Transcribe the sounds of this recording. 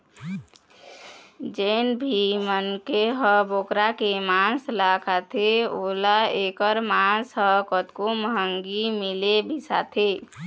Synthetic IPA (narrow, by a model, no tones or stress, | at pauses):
d͡ʒeːnbʱimənkeɦəboːkɾakemãslakʰat̪ʰeolaekəɾmãsɦəkət̪koməɦəŋɡimilebʱisa̰t̪ʰe